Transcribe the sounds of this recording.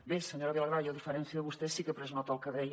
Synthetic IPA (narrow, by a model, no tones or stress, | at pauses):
besəɲoɾɐβilˠɐɣɾajɐðifəɾɛnsjɐðəβust̪esikəpɾeznɔt̪olˠkɐðɾɛj